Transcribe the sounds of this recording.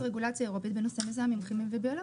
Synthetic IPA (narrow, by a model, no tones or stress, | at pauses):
ʁeɡulat͡sjaeʁo̞pit̪̚benosemezeamimχimimvebeola